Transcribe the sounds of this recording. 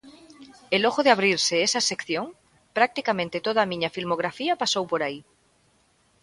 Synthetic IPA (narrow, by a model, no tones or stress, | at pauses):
eloɣoðeaβ̞ɾiɾseesasekθjoŋ | pɾak̚t̪ikamẽnt̪et̪oðaːmĩɲafilmoɣ̞ɾafiapasowpoɾai